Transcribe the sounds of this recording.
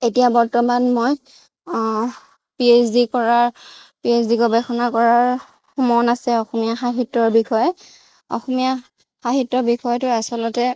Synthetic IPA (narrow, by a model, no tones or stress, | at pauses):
etijabɔɹtɔmanmoj | piesdikɔɹaɹpies̬diɡɔbɛxɔnakɔɹaɹ | mɔnasɛɔxɔmijaxaɦitːɔɹbixɔjɛ | ɔ̰xɔmija | xaxitːɔbixɔjɔtʊasɔlɔtɛ